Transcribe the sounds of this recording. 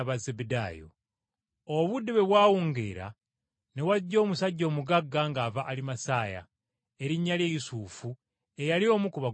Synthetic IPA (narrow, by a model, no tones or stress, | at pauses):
βazebedaːjo̰ | oβudːiβe̞βwaːwuːŋɡḛːɾa̰ | ne̞waɟːo̞ːmusaɟːo̞ːmuɡaɡːaŋɡaːvaʔːlimasaːja̰ | e̞ɾiɲːalje̞jisuːfu | e̞jalio̞ːmukuβa